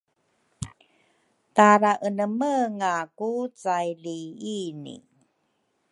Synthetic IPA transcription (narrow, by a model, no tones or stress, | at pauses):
taɾaʔənəməŋakut͡sajliinḭ